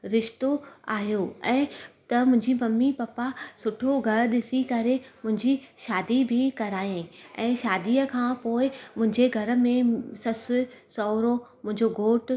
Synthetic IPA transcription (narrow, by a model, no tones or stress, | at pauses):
ɾɪʃt̪oa̰ːɦijoɛ̃ːt̪ɐmʊ̃ɦɪ̃ɲd͡ʑimɐmːipɐpasʊʈʰoɡʱɐɾɗɪsikɐɾemʊ̃ɦɪ̃ɲd͡ʑiʃaːd̪ibʱikɐɾaːĩɛ̃ːʃaːd̪iːəkʰãːpoːɪmʊ̃ɦɪ̃ɲd͡ʑeɡʱɐɾ̆mẽsɐsʊsɔːɾomʊ̃ɦɪ̃ɲd͡ʑoɡʱoːʈ